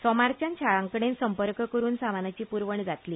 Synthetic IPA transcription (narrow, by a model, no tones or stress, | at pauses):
sɔmaɾt͡ɕant͡ɕʰaɭãŋkɳensəmpəɾkkəɾuːnsamanat͡ɕiːpuɾʋəɳd͡zat̪liː